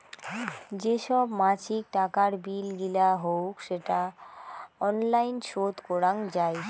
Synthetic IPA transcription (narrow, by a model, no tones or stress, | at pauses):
d͡ʑeʃɔbmat͡ɕʰik̚ʈakaɾbilɡilaɦowkʃeʈa | ɔnlajnʃot̪kɔɾaŋd͡ʑaj